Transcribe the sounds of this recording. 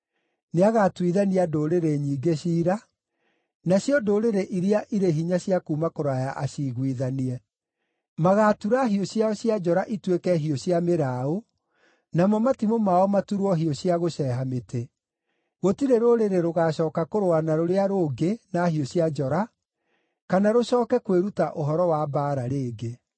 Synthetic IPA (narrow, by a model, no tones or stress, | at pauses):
neaɣaːtwiðaniadoːɾeɾeɲiːɡeɕiːɾa | naɕjɔdoɾeɾeʔiɾeaʔiɾeɦiɲaɕjakuːmakoɾajaʔaɕiɣwiðaniɛ | maɣaːtuɾaɦioɕjaɔɕiad͡ʒɔɾaʔitwekɛɦioɕjameɾaːo | namɔmatimomaɔmatuɾwɔɦioɕiaɣoɕɛːɦametʰe | ɣotiɾeɾoɾeɾeɾoɣaːɕɔːkakoɾoanaɾoɾeaɾoːɡenaɦioɕiad͡ʒɔɾa | kanaɾoɕɔːkɛkweɾutaʔoɦɔɾɔwabaːɾaɾeːɡe